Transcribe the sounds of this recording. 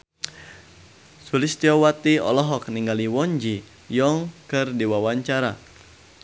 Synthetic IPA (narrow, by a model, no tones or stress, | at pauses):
sulɪst̪iɔwat̪iɔ̰lɔɦɔk̚niŋɡaliwɔɲd͡ʒi | jɔŋkɨrdiwawaɲt͡ʃaɾa̰